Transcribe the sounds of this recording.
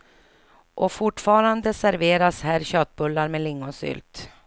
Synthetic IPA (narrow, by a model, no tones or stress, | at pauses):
ʔɔfʊʈfɑːɾand̪əsæɾveːɾashæːɾɕøːt̪̚bɵlːaɾmɛlɪŋːʊsʏ̰ːlt̪